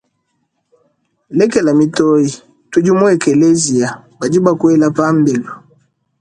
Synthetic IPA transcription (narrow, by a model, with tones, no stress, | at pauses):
lɛ˦kɛ˨la˨mi˨tɔ˦i˨ | tu˦d͡ʒu˦mu˦ɛ˨kɛ˨le˦zi˨a˨ba˨d͡ʒi˦ba˦kwɛ˦la˦pa˦m̩˦bɛ˨lu˨